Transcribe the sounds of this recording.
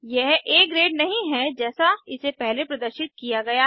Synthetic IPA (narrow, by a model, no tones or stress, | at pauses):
jɛɦeːkɾeːɖnɐɦĩɦɛd͡ʒɛːsaɪsepɛɦlepɾɐd̪əɾʃɪt̪̚kijaɡɐja